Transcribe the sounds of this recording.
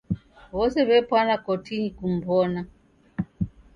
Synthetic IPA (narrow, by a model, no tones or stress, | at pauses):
βɔsɛβɛpwanakɔtʰinikum̩bɔna